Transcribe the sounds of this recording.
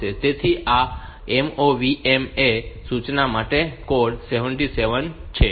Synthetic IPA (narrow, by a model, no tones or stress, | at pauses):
et̪et̪ʰia | emoʋiʔemesut͡ʃnamaʈekoɖseʋəɳʈiseʋənt͡ʃʰe